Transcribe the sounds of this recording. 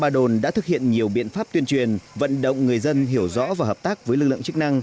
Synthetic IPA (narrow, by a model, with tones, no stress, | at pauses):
ɓaː˧ɗo˨˩nɗa̰ː˧˥t̪ɨ˨˩k̚hḭ˧˨ənɲi˨˩əwɓḭ˧˨ənfaː˦˥p̚t̪wi˧ənt͡ɕwi˨˩ənvə̰˧˨nɗə̰˧˨wŋ͡mŋɨ˨˩əjzə˧nɦi˧˩əwzɔ̰˧˥vaː˨˩həː˨˩p̚t̪aː˦˥k̚vəː˨˦jlɨ˨˩k̚lɨ̰˧˨t͡ɕɨ˦˥k̚na˧ŋ